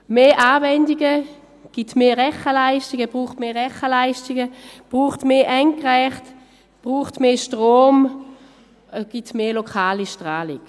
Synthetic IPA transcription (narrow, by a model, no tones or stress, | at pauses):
meːʔaːvɛndiɡə | ɡ̥itmeːʁɛχəlaɪʃtiɡəb̥ʁuːχtmeːʁɛχəlaɪʃtɪɡəb̥ʁuːχtmeːʔɛŋkʁɛχt | b̥ʁuːχtmeːʃtʁoːm | ɡ̥itmeːlokʰaːliʃtʁaːlɪɡ̥